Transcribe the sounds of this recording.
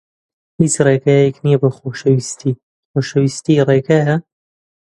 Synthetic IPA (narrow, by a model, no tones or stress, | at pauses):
hiːt͡ʃreːɡaːjɛknijɐbɐxoːʃɐwist̪ʰiː | xoːʃɐwist̪ireːɡaːjɐ